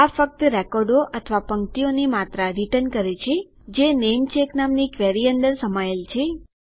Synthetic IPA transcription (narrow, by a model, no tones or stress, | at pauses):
afək̚t̪ɾɛkɔɾɖoʔət̪ʰʋapəŋk̚t̪ionimat̪ɾaɾiʈənkəɾet͡ʃʰe | d͡ʒenemt͡ʃeknamnikʋeɾiənd̪əɾsəmaelt͡ʃʰe